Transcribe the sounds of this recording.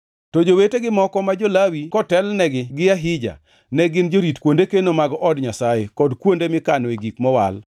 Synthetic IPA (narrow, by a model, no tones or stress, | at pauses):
tɔd͡ʒoweteɡɪmɔkɔmad͡ʒolawikɔtɛlnɛɡɪɡɪjaɦɪd͡ʒa̰ | nɛɡɪnd͡ʒoɾitkwondekenomaɡɔʔɔdɲasajekɔdkwondemɪkaneɡikmɔwa̰l